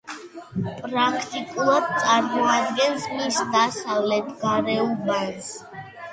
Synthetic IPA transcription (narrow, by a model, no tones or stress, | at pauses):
pʼɾakʰt̪ʼikʼulˠad̪̚sʼaɾmɔad̪̚ɡɛnzmisd̪asavlɛt̪ʰɡaɾɛubanz